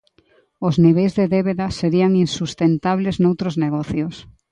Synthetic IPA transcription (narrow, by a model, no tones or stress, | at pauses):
ozniβejzðeðeβeðaseɾiaŋinsust̪ent̪aβleznowt̪ɾozneɣ̞ɔθjos